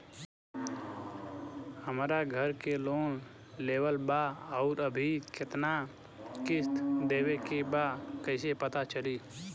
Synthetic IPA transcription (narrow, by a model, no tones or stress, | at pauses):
həmɾaɡʱəɾkeloːn | leːʋəlbaɔːɾəbʱikɪt̪na | kɪst̪d̪eːwekebakəɪsepət̪at͡ʃəliː